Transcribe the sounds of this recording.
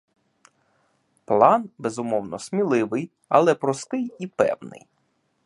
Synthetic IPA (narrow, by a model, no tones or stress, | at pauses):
plˠɑnbezʊmɔwnɔsmʲilˠɪʋɪj | ɐlˠɛpɾɔst̪ɪjipɛ̰wnɪ̰j